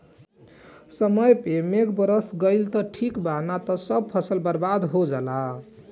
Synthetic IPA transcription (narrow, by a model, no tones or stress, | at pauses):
sʌmʌjpemeɡbəɾəsɡəjlt̪ʌʈʰikbʱanat̪ʌsʌb̚pʰʌsəlbəɾbad̪ɦod͡ʒəla